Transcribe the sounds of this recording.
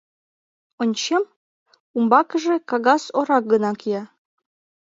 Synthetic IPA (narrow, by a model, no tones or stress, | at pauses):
onʲt͡ɕem | umbɑkəʒekɑɣɑsoɾɑk̚ɡənɑkijɑ